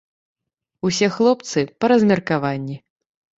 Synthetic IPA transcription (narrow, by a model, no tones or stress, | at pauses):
usʲɛxlˠɔpt̪sɨpɐɾɐzʲmʲɐrkavanʲːi